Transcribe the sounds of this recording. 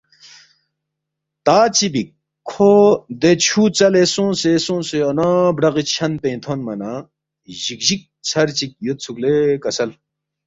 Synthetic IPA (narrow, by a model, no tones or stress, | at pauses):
t̪aːt͡ɕibik̚ʰː | od̪et͡ɕʰuːt͡sɐlesõːsesõːseɐnãːbɽɐɣit͡ɕʰɐnp̪ẽĩt̪ʰonmɐna | ʑikʑik̚t͡sʰɐɾt͡ɕik̚jot̪̚t͡sʰuklekɐsɐl